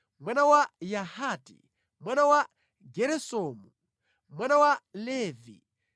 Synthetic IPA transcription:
mwanawajahaːtḭ | mwanawa | ɡɛɾɛsɔːmu | mwanawalɛːvḭ

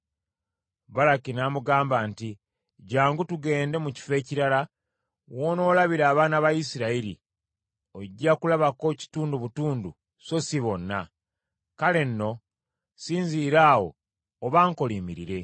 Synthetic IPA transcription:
βalakinamuɡaːmbaːnti | ɟaːŋɡutuɡe̞ːnde̞muci̥fe̞ːciɾala | woːno̞ːlaβiɾaːβaːnaβajisiɾaiɾḭ | oɟːakulaβako̞ci̥tuːnduβutuːndu | so̞siβo̞nːa | kale̞nːo̞ | siːɲziːɾaːwo̞̰ː | βaːŋko̞liːmiɾiɾe̞

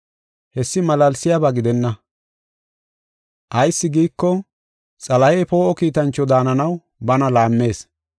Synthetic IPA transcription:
hɛsːɪmɐlɐlsɪjabaɡɪd̪ɛnːɐ | ʔɐjsːɪɡiːkːɔ | t͡sʼɐlɐjɛjpo̞ːʔɔkiːt̪ɐnt͡ʃːɔd̪aːnɐnɐw | bɐnɐlaːmːe̞ːs

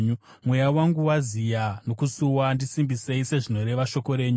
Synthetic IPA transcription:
ɲu | mwe̞jawaŋɡuwazijano̞kusuwandisimbise̞ise̞ʐino̞ɾe̞ʋaʃo̞ko̞ɾe̞ːɲu

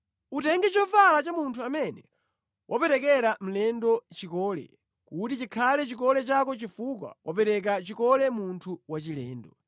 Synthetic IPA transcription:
utɛŋɡɛt͡ʃɔvalat͡ʃamuntʰuamɛnɛ | wʔapɛɾɛkɛɾam̩lɛndɔt͡ʃikɔːlɛ̰ | kutit͡ʃikʰalɛt͡ʃikɔlɛt͡ʃakɔt͡ʃifukwa̰wʔapɛɾɛk̬at͡ʃikɔlɛmuntʰuwat͡ʃilɛːndɔ

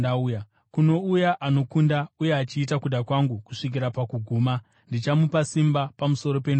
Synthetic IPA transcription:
dauja | kuno̞ujaʔano̞kundauje̞at͡ʃiːtakuɗakwaŋɡukuʂik̬iɾapakuɡʱuːma | ndit͡ʃamupasimbapamuso̞ɾo̞pen

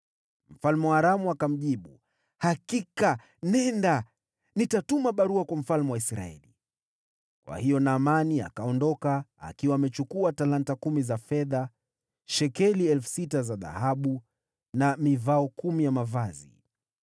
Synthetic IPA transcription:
m̩falmɛwaːɾamuakam̩ʄiɓu | hakika | nɛnda | nitatumaɓaɾuakwam̩falmɛwaisɾa̰ɛ̰li | kwa̰hijɔnaːmania̰kaɔndɔkaa̰kiwaːmɛt͡ʃukuatalantakumizafɛða | ʃɛkɛliɛlfu̥sitazaða̰haɓu | namivaɔkumijamavazḭ

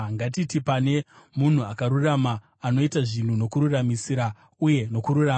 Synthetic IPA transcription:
ŋɡatitipane̞ | mun̤uakaɾuramaː | no̞itaʐin̤uno̞kuɾuramisiɾa | uje̞no̞kuɾura

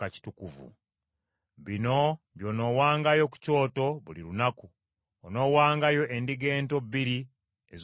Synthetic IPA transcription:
aci̥tukuvṵ | βino̞ | βjo̞ːno̞waːŋɡajo̞ku̥co̞ːto̞βuliɾunaku | ono̞waːŋɡajo̞ʔendiɡe̞ːnto̞biɾi | ez

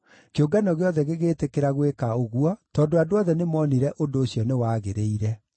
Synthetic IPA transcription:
keoɡanɔɣeɔðɛɣeɣeːtekeɾaɣwekaoɣuɔtɔːndoadoɔðɛnemɔːniɾɛʔondoːɕjɔnewaːɣeɾeiɾɛ

